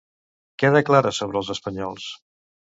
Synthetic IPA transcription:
kɛðəklaɾəsoβɾəːlˠzəspəɲɔlˠs

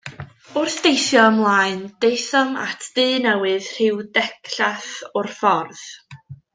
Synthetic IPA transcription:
ʊrθd̥ejθjɔəmlˠaːɨnd̥ejθɔma̰tʰd̥ɨːnɛwɨð̥r̥ɪwdɛkʰɬaθɔrfɔrð̥

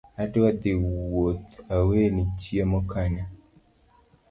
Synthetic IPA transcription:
adwad̪ɪwot̪awenit͡ʃjemɔkʰaɲa

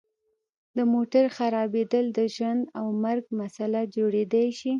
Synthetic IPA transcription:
d̪əmoʈaɾxaɾɑbed̪əld̪əʒwand̪awmaɾɡmasalad͡ʒoɽed̪ajʃi

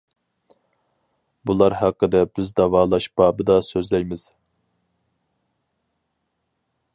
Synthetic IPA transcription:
bulˠɑɾhæqːəd̪ɛb̥ɪzd̪ɑvɑːlˠɑʃb̥ɑːbɨd̪ɑsøzlɛjmɪz̥

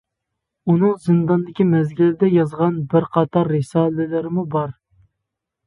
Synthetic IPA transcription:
unɨŋzɨnd̪ɑnd̪ɪkʲimɛzɡʲilɪd̪ɛjɑzʁɑnbɪɾqʰɑt̪ʰɑɾːɪsɑːlɪlɪɾɪmubɑɾ

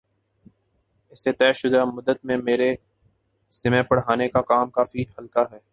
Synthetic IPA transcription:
ɪset̪ɛːʃʊd̪amʊd̪ːət̪mẽmeːɾe | sɪmẽːpɐɽɦaːnekakaːmkaːfihɐlkaɦɛː

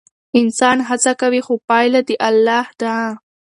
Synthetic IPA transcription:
ɪnsɑːnɦat͡sakawixʊpɑjlad̪iʔalːɑːhd̪a

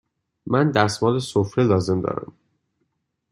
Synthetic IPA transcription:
mænd̪æsmɒːlesofɾelɒːze̞md̪ɒ̰ːɾæ̰m

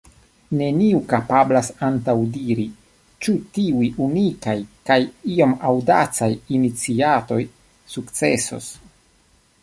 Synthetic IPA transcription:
ne̞niukapablasantawdiɾi | t͡ʃutiujʔunikajkajio̞mawdat͡sajinit͡siato̞j | sukt͡se̞so̞̰s

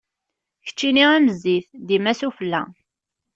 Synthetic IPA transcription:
çə̥t͡ʃːiniæməzːiθd̪imæsufəlːæ̰

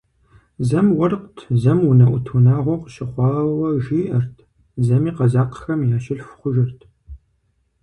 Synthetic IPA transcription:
zɐmwɐrqtʰzɐmunɐʔʷʊtʰunaːʁʷɔqəɕɪχʷɑːwɐʒiːʔɐrtʰ | zɐmiːqɐzaːqə̥xɐmjaːɕɪɬfχʷʊʒɐrtʰ

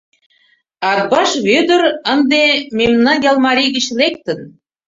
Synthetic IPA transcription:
ɑt̪̚bɑʃβød̪ə̆ɾə̆nd̪ememnɑnjɑlˠmɑɾiɣə̆t͡ɕlek̚t̪ə̆n

